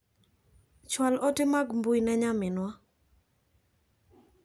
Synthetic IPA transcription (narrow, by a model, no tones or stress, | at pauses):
t͡ʃwalɔtɪmaɡmbʊjnɛɲamɪnwa